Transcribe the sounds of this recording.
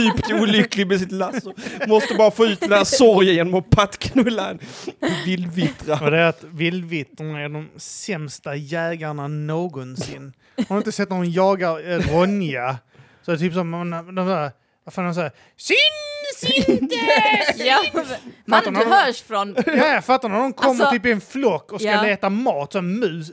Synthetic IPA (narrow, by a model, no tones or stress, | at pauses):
yːpt̪ɛuːlʏklɪɡmɛsɪt̪lasʊmɔst̪əbɑːɾafoːʉ̟ːt̪̚d̪ɛnæːɾsɔɾjəjeːnɔmɔpʰat̪kʰnɵlːa̰nɛvɪld̪vɪt̪ɾaɔd̪ɛæɾat̪vɪld̪vɪt̪ːɾanaæɖɔmsɛmst̪ajɛːɡaɳanoːɡɔnsɪnː | hanɾaɪnt̪̬əsɛt̪̚ːnaɾɔmjɑːɡaɾɾɔnɪa | sɔɛɛt̪ʰyːpsɔmɛnd̪ɔmsæːɾ | vafaːnɛmsæːɾ | sɪn | fat̪ːaɾnahœːfɾɔnjaafat̪ːaɾnad̪ɔmkʰɔmmːəɾyːp̬ɪɛnflɔkːɔskkaleːt̪amɑːt̪sɔnmʉ̟ːs